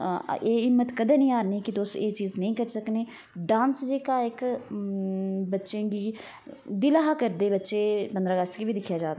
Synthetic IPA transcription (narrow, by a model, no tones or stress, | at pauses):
eːɪmːət̪kəd̪eːnəĩːaːɾniːkɪt̪ʊseːt͡ʃiːznəĩːkəɾsəkneː | ɖãːnsd͡ʒeːkaːɪk | bətːʃẽːɡiː | d̪ɪlaːɦaːkəɾd̪eːbətːʃeːpənd̪ɾaːɡəst̪ə̥kʋiːd̪ɪkʰːjaːd͡ʒaːd̪aː